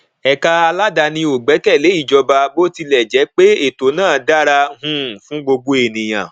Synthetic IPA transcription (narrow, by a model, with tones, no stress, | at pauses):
ɛ˨ka˧a˧la˦da˧nĩ˧o˨ɡ͡bɛ˨˦kɛ˦˨le˨˦i˦˨d͡ʒɔ˧ba˧bo˦ti˧lɛ˨d͡ʒɛ˨˦k͡pe˦e˦˨to˨˦nãː˦˨da˦ɾa˧ɦũ˦˨fũ˨˦ɡ͡bo˧ɡo˦e˨nĩ˨j̃ã̰˨